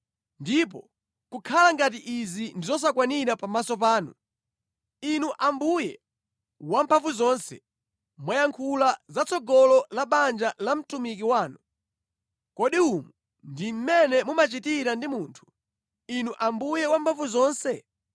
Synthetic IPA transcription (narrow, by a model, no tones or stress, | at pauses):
ndip̬ɔ | kukʰalaŋɡat̬iʔizindizɔs̬akwaniɾapamasɔp̬aːnṵ | inuʔambujɛ | wampʰaɱvuzɔːnsɛ̰ | mwajaŋkʰulazat͡sɔɡɔlɔlaɓand͡ʒalam̩tumik̬iwaːnu | kɔɗiumu | ndim̩mɛnɛmumat͡ʃitiɾandimuntʰu̥ | inuʔambujɛwampʰaɱvuzɔːnsɛ